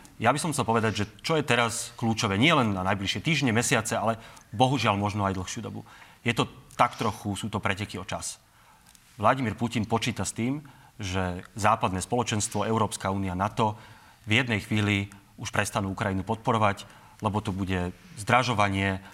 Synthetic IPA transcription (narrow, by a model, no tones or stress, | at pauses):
jabisɔmxt͡sɛlˠpɔʋɛd̪aɟʒɛt͡ʃɔjɛt̪ɛɾaskluːt͡ʃɔʋɛːɲɪɛlɛnnanajbliʃɛt̪iːʒɲɛmɛsɪat͡sɛalɛbɔɦuʒɪalmɔʒnɔajd̪l̩xʃɪuːd̪ɔ̰bṵjɛt̪ɔt̪akt̪ɾɔxusuːt̪ɔpɾɛcɛkiɔt͡ʃas | ʋlaɟimiːɾpucinpɔt͡ʃiːt̪ast̪iːmʒɛzaːpad̪nɛːspɔlɔt͡ʃɛnst̪ʋɔɛʊɾɔːpskauːnianat̪ɔ | vjɛd̪nɛjxʋiːli | uʃpɾɛst̪anuːukɾajinupɔt̪̚pɔɾɔʋac | lɛbɔt̪ɔbuɟɛ | zd̪ɾaʒɔʋaɲɪɛ